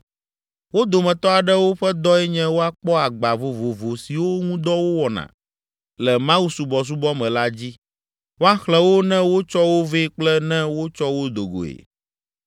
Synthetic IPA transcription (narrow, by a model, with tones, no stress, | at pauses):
wo˦d̪o˨mɛ̃˨t̪ɔ˦a˨ɖɛ˦wo˦ɸɛ˦d̪ɔ˦ɛ˦ɲɛ̃˦wo˦a˦k͡pɔ˦a˨ɡ͡ba˨vo˨vo˨vo˨si˨wo˦ŋũ˦d̪ɔ˦wo˦wɔ˨nã̰˨ | lɛ˨mã˦wu˦su˨bɔ˨s̬u˦bɔ˦mɛ̃˨la˦d͡ʑi˦ | wo˦a˦xlɛ̃˦wo˦nɛ̃˦wo˦t͡ʃɔ˦wo˦ve˦k͡plɛ˦nɛ̃˦wo˦t͡ʃɔ˦wo˦d̪o˨ɡo̰˨ḛ˨